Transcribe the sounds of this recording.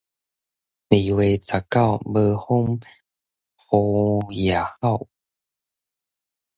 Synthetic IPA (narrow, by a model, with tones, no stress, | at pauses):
li˨˩we˧˩t͡sʰa˨˩ka˥˨wbə˧ho˦ŋ | ho˧ja˨˩˨ha˥˧˨w